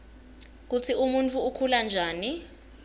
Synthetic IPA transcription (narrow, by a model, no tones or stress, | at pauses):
k̬ut͡sʰiʔumunt͡fʰʼuːkʰuland͡ʒʱaːni